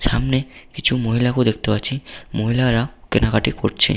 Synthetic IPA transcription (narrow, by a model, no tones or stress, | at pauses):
saːmnekɪt͡ʃʰumoːɦɪlakod̪ek̚ʰt̪ebat͡ʃʰimoːɦɪlaɾakɪnakaʈekoʈt͡ʃʰḛ